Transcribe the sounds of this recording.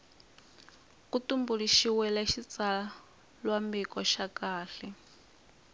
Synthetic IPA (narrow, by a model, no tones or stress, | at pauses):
kutumbuɺiʃiwɛlaʃit͡sa | lwambikɔʃakaːɬɛ